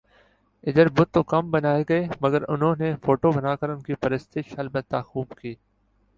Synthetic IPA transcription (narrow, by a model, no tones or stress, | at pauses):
ɪd̪əɾbʊt̪ːoːkɐmbənaːeɡɐeːməɡəɾʊ̰nɦõːneːfoːʈoːbənaːkəɾʊnkiːpəɾəst̪ɪʃhəlbət̪aːxuːbkiː